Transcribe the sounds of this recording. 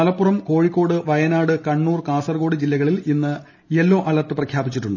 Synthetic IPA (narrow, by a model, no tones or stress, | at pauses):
ɐlɐpːurɐmko̞ːɻikʲːo̞ːɽɨʋɐjɐnaːɽɨkɐɳːuːrkaːsɐrɡo̞ːɽɨd͡ʑilːɐɣɐɭilinːɨ | e̞lːo̞ːʔɐlɐt̪ːɨprɐkʰjaːbit͡ɕːiʈːuɳɖɨ